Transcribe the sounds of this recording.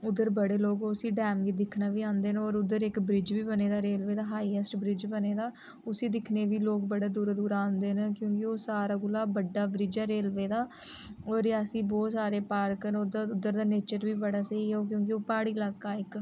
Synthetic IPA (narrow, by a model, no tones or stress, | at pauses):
ʊd̪əɾbəɽeːloːkosĩːɖɛːmɡid̪ɪkʰnaːʋiːãːnd̪eːnɔːɾʊd̪əɾɪkbɾɪd͡ʒʋiːbəneːd̪aːɾeːlʋeːd̪aːɦaːiːɛsʈbɾɪd͡ʒbəneːd̪aː | ʊsiːd̪ɪkʰneːʋiːloːkbəɽaːd̪uːɾd̪uːɾãːnd̪eːnːkjõːkɪoːsaːɾaːɡʊlaːbəɖːaːbɾɪd͡ʒaːɾeːlʋeːd̪aː | ɔːɾəsĩːbɔːt̪saːɾeːpaːɾkənd̪ʊd̪əɾd̪aːneːt͡ʃəɾbiːbəɽaːsəiːɦɛoːk̬jõːk̬ɪoːpaːɽiːlaːɡaːɪk